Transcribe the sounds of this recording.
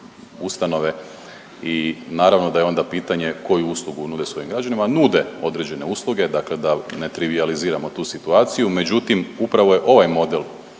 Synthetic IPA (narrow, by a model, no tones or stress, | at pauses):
ust̪ano̞ʋe̞ | inaːɾaʋno̞d̪aje̞o̞nd̪apiːt̪aɲe̞ko̞juuːslˠuɡunuːd̪esʋo̞jimɡɾad͡ʒanimanuːd̪e̞o̞d̪ɾe̞d͡ʑe̞ne̞uslˠuɡe̞d̪akle̞d̪ane̞t̪ɾiʋializiːɾamo̞t̪uːsit̪uaːt̪sijume̞d͡ʑut̪imupɾaʋo̞je̞ʔo̞ʋajmo̞d̪el